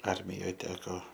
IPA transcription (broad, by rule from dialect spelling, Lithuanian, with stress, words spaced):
ˈɐrʲmʲɪjoːj ˈtʲæːkoː